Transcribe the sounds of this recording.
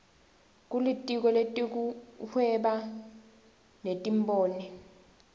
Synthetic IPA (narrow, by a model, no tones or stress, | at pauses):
k̬ʼulitʼik̬ɔletʼik̬uhwɛɓa | netʼimbʼoːnɛ